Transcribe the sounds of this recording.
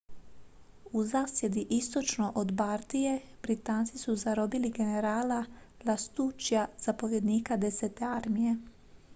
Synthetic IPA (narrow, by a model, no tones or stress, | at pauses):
uzaːsje̞d̪iʔist̪o̞t͡ʃnoʔod̪baɾt̪ijeb̥ɾit̪aːnt̪sisuzaɾo̞biliɡe̞neɾaːlalast̪uːt͡ʃjaz̥apo̞ʋje̞d̪niːkad̪eseːt̪e̞aɾmije̞